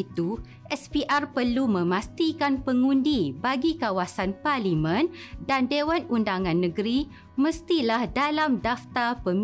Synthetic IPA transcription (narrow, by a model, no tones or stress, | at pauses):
it̪u | ʔɛspiʔarpərlumə̃mãst̪ikanpəŋũndibaɡikawasanparlimə̃ndandewanundaŋãnːə̃ɡɾi | mə̃st̪ilahdalamdaft̪apəm